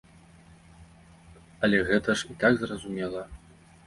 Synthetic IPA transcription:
ɐlʲɛɣɛt̪ɐʂit̪aɡzrɐzumʲɛlˠɐ

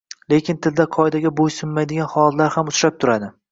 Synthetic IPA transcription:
le̞kʲʰɪnt̪ʰɪld̪aqʰɒjd̪aɡʲabojsʊmːajd̪ɪɡʲanhɒlt̪laɾhamʊt͡ʃ̪ɾap̚t̪ʰʊɾad̪ɪ

